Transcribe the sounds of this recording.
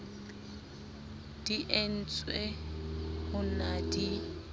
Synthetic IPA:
d̥iʔen̩t͡sʼwe | hʊnadi

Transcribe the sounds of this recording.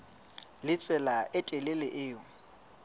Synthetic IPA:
lɪt͡sʼɛlaʔɪtʼɛlɪlɪʔɪːʊ

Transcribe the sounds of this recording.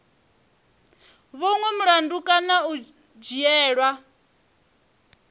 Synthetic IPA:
βɔŋwɛmuɺandukʼanau | d͡ʒiɛːɺwa

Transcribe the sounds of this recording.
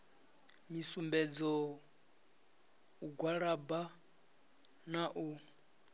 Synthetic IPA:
misumbɛd͡zɔ | uɡwaɺaba | naʔu

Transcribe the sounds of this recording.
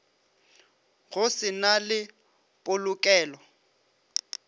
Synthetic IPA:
ɣʊsɪnalɪ | pʼʊlʊkʼɛːlɔ

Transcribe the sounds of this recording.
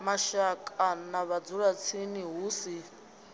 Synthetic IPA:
maʃakʼanaβad͡zuɺat͡sʰiniɦuːsi

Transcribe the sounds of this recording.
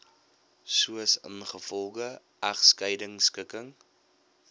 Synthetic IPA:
suəsə̰nχəfɔlˠχə | ɐχskəjdəŋskəkəŋ

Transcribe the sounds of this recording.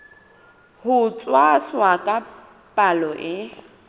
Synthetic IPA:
hʊt͡sʼwaswakʼa | pʼalɔʔɪ

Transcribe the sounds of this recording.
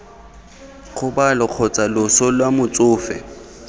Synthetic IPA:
χʊbalʊq͡χʰɔt͡sʼalʊsɔlwamʊt͡sʼʊːfɛ̰

